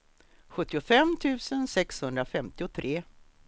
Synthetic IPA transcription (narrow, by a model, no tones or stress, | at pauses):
ɧɵt̪ːɪʊfɛmːt̪ʰʉ̟ːsənsɛkshɵnd̪ɾafɛmt̪ɪʊt̪ʰɾeː